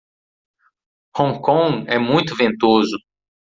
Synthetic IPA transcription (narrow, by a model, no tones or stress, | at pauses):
hõŋkõŋɛmũj̃t̪ʊvẽnt̪ozʊ